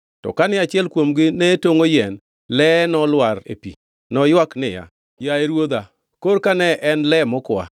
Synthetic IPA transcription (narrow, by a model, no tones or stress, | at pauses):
tɔ̰kanɪat͡ʃɪɛlkwomɡɪnɛtoŋojɛn | lɛnɔlwaɾḛpḭ | nɔjwaknɪja̰ | jaeɾwod̪a | koɾkanɛʔɛnlɛmɔkwa̰